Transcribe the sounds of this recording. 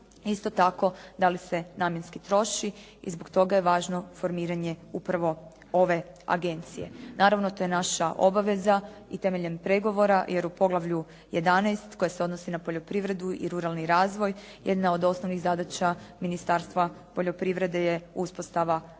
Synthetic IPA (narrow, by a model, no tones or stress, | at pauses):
ist̪o̞t̪ako̞d̪alise̞naːmje̞nskit̪ɾo̞ʃi | ḭzboɡt̪o̞ɡaje̞ʋaːʒno̞fo̞ɾmiːɾaɲe̞upɾaʋo̞ | o̞ʋe̞a̰ɡe̞nt̪sije̞̰naːɾaʋnot̪oje̞naʃaʔo̞baʋe̞zait̪e̞meʎe̞mpɾeɡo̞ʋo̞ɾajʔe̞ɾupo̞ɡlˠaʋʎu | jed̪anɛjst̪ko̞jaseo̞d̪no̞sinapo̞ʎo̞pɾiʋɾe̞d̪uḭɾuɾalˠniɾaːzʋo̞j | jed̪nao̞d̪o̞sno̞ʋniɣzad̪at͡ɕaminist̪aɾst̪ʋapo̞ʎo̞pɾiʋɾe̞d̪e̞jeuspo̞st̪aʋa